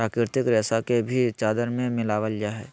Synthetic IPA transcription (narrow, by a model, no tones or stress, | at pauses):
ɾaːkɾɪɾt̪ɪkɾɛːsakebʱit͡ʃaːd̪əɾmẽmɪlaːʋəlijaɦɛː